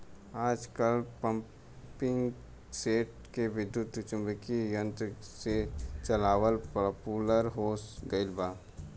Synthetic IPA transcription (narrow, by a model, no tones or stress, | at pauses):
aːd͡ʒkəlpə̃m | pɪ̃ŋɡ | seːʈ̚ | keʋɪd̪jut̪t͡ʃʊ̃mbəkijə̃nt̪ɾəset͡ʃəlaːwəlppuːləɾɦoːsɡəɪlbaː